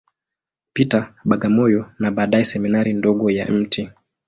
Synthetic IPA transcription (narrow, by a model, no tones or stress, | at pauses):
pitaɓaɡamɔjɔnaɓaːɗaɛsɛminaɾindɔɡɔja̰m̩tʰi